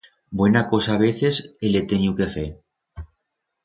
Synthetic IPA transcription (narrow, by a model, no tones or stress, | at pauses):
bwenako̞saːβeθeselet̪enjukefe